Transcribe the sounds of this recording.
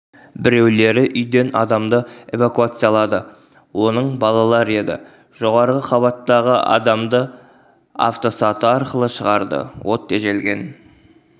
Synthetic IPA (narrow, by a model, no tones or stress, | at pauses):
bɪɾe̞wle̞ɾɪʔʏjd̪e̞nɑd̪ɑmd̪əe̞vakuat̪sɨjɑlˠɑd̪ə | wo̞nəɴbɑlˠɑlˠɑɾəe̞d̪ɪ̰ | ʒ̥o̞ʁɑɾʁəqʰɑβɑt̪ːɑʁəʔɑ̰d̪ɑmd̪ə | a̰ft̪o̞sɑt̪əɑɾqəlˠəʃəʁɑɾd̪ə̰wʔo̞t̪ːeʒe̞lɡʲe̞n